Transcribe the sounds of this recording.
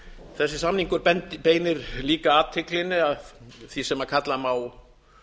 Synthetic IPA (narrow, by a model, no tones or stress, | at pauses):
θɛsːɪsamniŋkʏɾpɛnt̪ɪpeːjnɪɾliːkaaːt̪ʰɪklɪnːɪaðθisɛmakʰat̪lamaw